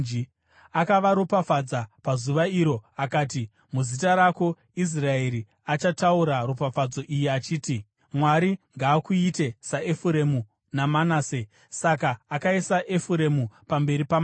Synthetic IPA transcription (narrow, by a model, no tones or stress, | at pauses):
akaʋaɾopafad͡zapazuʋaiɾo̞akaːti | muzitaɾako̞ | is̬rae̞ɾi | at͡ʃatauɾaropafad͡zo̞ʔijiat͡ʃiːti | mwaɾiŋɡaːkuite̞saefuɾe̞mu | namanaːse | sakaːkaisaʔefuɾe̞mupambe̞ɾipam